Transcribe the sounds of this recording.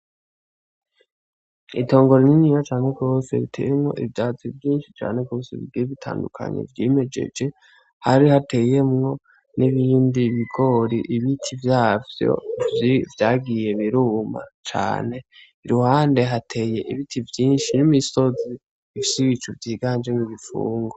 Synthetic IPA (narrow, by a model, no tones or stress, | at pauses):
ito̞ːŋɡo̞ɾeniɲijat͡ʃaːne̞ɡjo̞ːse̞̰βitʰḛjemŋo̞̰ʔivjaːt͡sivjiːnʃi̥t͡ʃa̰ːne̞ɡɡo̞ːsḛβḭɡiɾiβitʰa̰ːndukʰa̰ɲḛvjeme̞d͡ʒḛd͡ʒe̞ | haɾihatʰe̞ːje̞mŋo̞ | niβiːndiβiɡo̞ɾiʔiβitʰivjaːvjo̰vjaːɡije̞βiɾuːma̰t͡ʃa̰ːne̞ | iɾuhaːnde̞ɦatʰe̞ːje̞ʔiβitʰivjiːnʃinimiso̞zi | ifi̥siβit͡ʃuvjiːɡaːnd͡ʒemuɡifṵːŋɡo